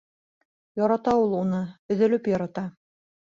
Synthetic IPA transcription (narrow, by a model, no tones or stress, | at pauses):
jɑɾɑt̪ɑulˠunɤɵ̆ðɘ̆lɘpjɒɾɑt̪ɑ